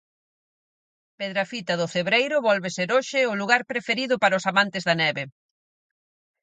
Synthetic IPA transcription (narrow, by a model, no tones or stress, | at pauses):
peðɾafit̪ɐðʊfeβɾejɾʊβɔlβeseɾoʃɪʊluɣaɾpɾefeɾiðʊpaɾɐʊsamãnt̪ɪzðɐnɛβe